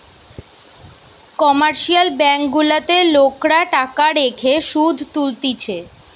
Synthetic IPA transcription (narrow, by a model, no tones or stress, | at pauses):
kɔmaɾʃialbɛŋkɡulat̪elokɾaʈakaɾekʰeʃud̪ʱt̪ult̪it͡ɕʰe